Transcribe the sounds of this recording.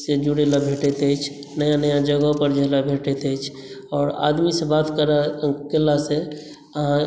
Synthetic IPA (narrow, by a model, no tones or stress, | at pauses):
sed͡ʒuɽelabʱeʈet̪ət͡ʃʰ | nəjãnəjãd͡ʒəɡəɦpəɾd͡ʒeɦlabʱeʈet̪əjt͡ʃʰ | ɔːɾa̰d̪misebat̪kəɾakelase | əɦã